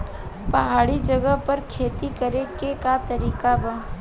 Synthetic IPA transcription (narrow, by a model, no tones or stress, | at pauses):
pɐɦaːɽid͡ʒəɡəɦpəɾkʰeːt̪ikəɾekekat̪əɾiːkabaː